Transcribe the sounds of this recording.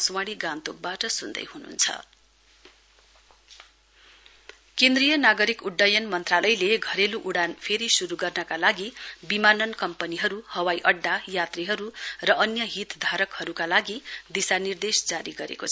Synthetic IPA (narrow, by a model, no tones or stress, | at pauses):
swaɽiɡãnt̪ok̚baʈʌsund̪ʌ̰jɦunṵnt͡sʰʌ̰ | kẽnd̪rijʌnaɡʌɾikuɖːʌjʌnmʌnt̪ralʌjleɡʱʌɾeluʔuɽanpʰeɾisuɾuɡʌrnʌkalaɡibimanʌnkʌmpʌniɦʌɾuhʌwajʔʌɖːajat̪riɦʌɾurʌʔʌnjʌɦit̪d̪ʱaɾʌkhʌɾukalaɡid̪isanird̪esd͡zaɾiɡʌɾḛkot͡sʰʌ